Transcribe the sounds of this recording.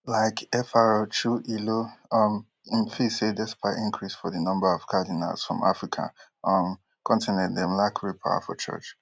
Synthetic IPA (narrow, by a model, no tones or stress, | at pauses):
laɪkʰɛfaɹɔt͡ʃuʔiloʌm | ĩmfisedɛspʰaɪʔĩŋkʰɹisfɔðənɔ̃mbəɔv̥kʰadina̰lsfɹɔ̰̃mʔa̰fɹikʰa̰ʔʌm | kʰɔ̃ntinɛ̃ndɛ̃mlakʰɹipʰa̰ʊwa̰fɔ̰t͡ʃʰɜ̰t͡ʃ